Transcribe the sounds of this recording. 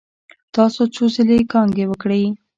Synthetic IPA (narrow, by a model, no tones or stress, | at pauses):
t̪ɑsot͡sozɪlekɑŋɡewəkɽej